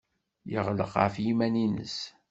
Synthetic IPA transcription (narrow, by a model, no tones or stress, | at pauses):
jə̰ʁlə̰qafjimæninə̰s